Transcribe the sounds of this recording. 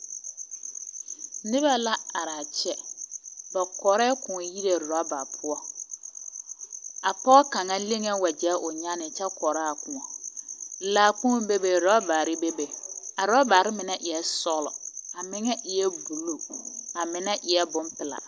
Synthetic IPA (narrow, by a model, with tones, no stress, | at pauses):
nɪ˦βa˦la˦a˨ɾa˨t͡ʃɛ˦ | ba˨kɔ˨ɾɛ˦kʊ̃˨ɔ˨ji˦ɾe˨ɾɔ˨˦ba˨pʰʊ˦ɔ˦ | a˨pɔ˦ɣɔ˦ka˨ŋa˦le˦ŋe˦wa˨d͡ʒɛ˨˦ʔʊ˨ɲa˦nɪ˨t͡ʃɛ˦kɔ˨ɾa˦˨kʊ˨ŋɔ˨ | laː˨k͡pũ˦ɔ˦be˦be˨ɾɔ˦baː˨ɾɪ˦be˦be˨a˨ɾɔ˦ba˨ɾɪ˦mɪ˨nɛ˦ʔɪ˨jɛ˦sɔ˦lɔ̰˨a˨mɪ˦ŋɛ˦ʔɪ˨jɛ˦bu˨lo˨a˨mɪ˨na˦ʔɪ˨ɛ˦bʊ˦mpɪ˨la̰˨